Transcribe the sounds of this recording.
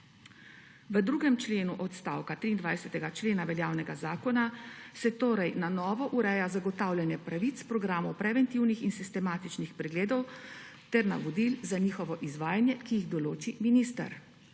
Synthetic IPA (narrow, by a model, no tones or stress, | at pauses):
ʋəd̪ɾuːɡɛmt͡ʃleːnuʔɔt̪st̪aːwkat̪ɾiːnd̪ʋajsɛt̪ɛɡat͡ʃleːnaʋɛljaːwnɛɡazaːkɔnasɛt̪oːɾɛjnanɔːʋɔʔuɾɛːjazaɡɔt̪aːwljɛnjɛpɾaʋit̪spɾɔɡɾaːmɔwpɾɛʋɛnt̪iwnixinsist̪ɛmaːt̪it͡ʃnixpɾɛɡleːd̪ɔw | t̪ɛɾna̰ʋɔd̪ilzaɲiːxɔʋɔʔizʋaːjanjɛkijiɣd̪ɔloːt͡ʃiminiːst̪a̰ɾ